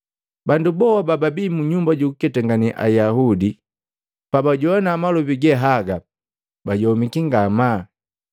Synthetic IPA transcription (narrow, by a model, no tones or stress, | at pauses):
bandubɔwabababimuɲumbaɟuukɛtaŋɡaniʔa̰jaɦudi | pabaɟɔwanaːmalɔbiɡɛɦaɡa | baɟɔmikiŋɡama